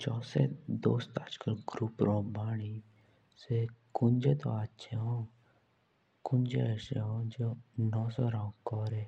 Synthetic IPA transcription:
d͡ʒɔːsḛd̪oːst̪ad͡ʒkəlɡɾuːpɾõːbʱaːɽ̃i | sekʊnd͡ʒeːt̪o̰atːʃʰeɦõː | kʊnd͡ʒeʃeɦõd͡ʒonɔːsɔɾãːkɔːɾeː

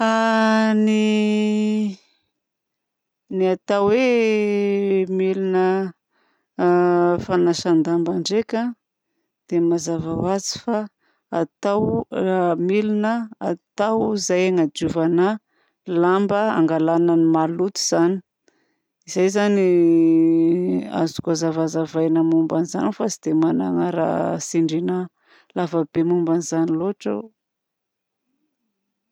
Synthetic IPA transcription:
ani | niat̪awwe | milinə | fanaʃand̪ambaɳɖ͡ʐekʲa | d̪̥emazavawazi̥fa | at̪aw | milinəat̪awzajaŋad͡ʒuvana | lambəa̰ŋɡalananimalut̪i̥z̥ani̥ | izajzani | a̰zu̥kazavazavajnəmumbaniza̰nifat͡sid̪̥emana̰ŋaɾa̰siɳɖ͡ʐina | lavəbemumbanizaniloʈ͡ʂa̰w

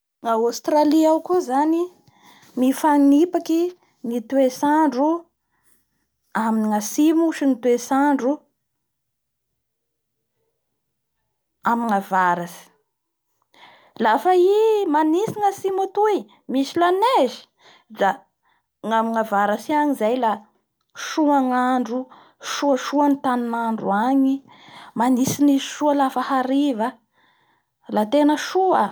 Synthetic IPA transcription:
ŋaost̪ɾaliawkuzani | mifaŋnipaki | ŋit̪uesaɳɖ͡ʐu | aminiŋasimuʃinit̪wesaɳɖ͡ʐu | amiŋavaɾasi̥ | lafaimanisiŋəsimut̪uj | misilanezi̥ | d̪a | ŋamiŋavaɾasiaɲizajla | ʃuaŋaɳɖ͡ʐu | ʃuəʃuanit̪aninaɳɖ͡ʐuaɲi | manisiniʃualafahaɾiva | lat̪enəʃuə

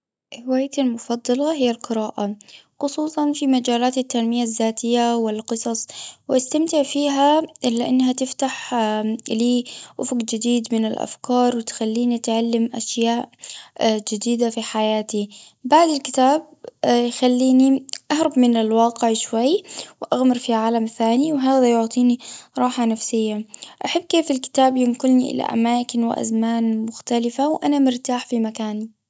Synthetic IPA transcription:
hɪwaːjt̪almʊfɑd̪ˤːɑlɑɦɪjːalqɨɾaːʔaxʊsˤuːsˤɑnfimad͡ʒaːlaːt̪at̪ːanmɪjazːaːt̪ɪjːawɪlqɨsˤɑsˤwʔast̪amt̪ɪʕfiːɦaʔɪlːaʔɪnːɦat̪ɪft̪aħ | liːʔʊfʊqd͡ʒɪd̪iːd̪mɪnɪlʔa̰fkɑːɾˤwɪt̪xalːiːnit̪ʕalːamʔaʃjaːʔ | d͡ʒɪd̪iːd̪afiħajaːt̪i | baʕd̪ɪlkɪt̪aːb̚ | jxalːiːniʔahɾˤɑbmɪnɪlwɑːqɪʕʃwajːwʔaɣmɑɾˤfiʕaːlamθaːniwɦaːðajʊʕt̪ˤiːniɾˤɑːħanafsɪjːaʔaħabːkeːfɪlkɪ̥t̪aːbjɪnkʊlniʔɪ̰la̰ʔa̰maːkɪnwɪ̰ʔa̰zmaːnmʊxt̪alɪfawʔanamɪɾt̪aːħfimakaːni

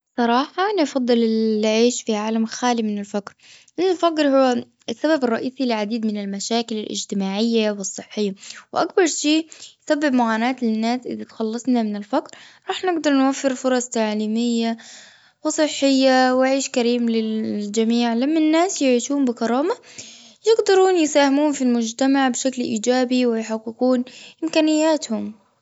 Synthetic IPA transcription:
sˤɑɾˤɑːħɑnfɑd̪ˤːɨlɪʕiːʃfiʕaːlamxaːlimɪnɪlfakɾʔɪnːɪlfakɾhʊwːa | sːababɪrˤːɑʔiːsilɪʕad̪iːd̪mɪnɪlmaʃaːkɪlɪlʔɪ̰d͡ʒt̪ɪmaːʕɪjːawɨsˤːɨħːɪjːawʔak̚bɑɾˤʃiːjsabːɪbmʊʕaːnaːt̪lɪnːaːsʔɪ̰ðat̪xɑlːɑsˤnamɪnɪlfakɾɾˤɑːħnɪɡd̪ɑɾˤnwafːɪɾfʊɾˤɑsˤt̪aʕliːmɪjːa | wɪsˤɨħːɪjːawɪʕiːʃkaɾiːmlɪd͡ʒamiːʕlamːanːaːsjɪʕiːʃuːmbɪkɑɾˤɑːma | jɪɡd̪ɑɾuːnjɪsaːhɪmuːnfilmʊd͡ʒt̪amaʕbʃaklʔiːd͡ʒaːbiwɪjħaqːɪkuːnʔɪmkaːnɪjːaːt̪hʊm

